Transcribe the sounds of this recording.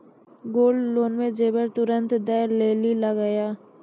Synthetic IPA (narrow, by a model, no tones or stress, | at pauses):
ɡoːlːoːnmẽd͡ʒeːbəɾt̪ʊɾə̃nt̪d̪ɛːleːlilaɡajaː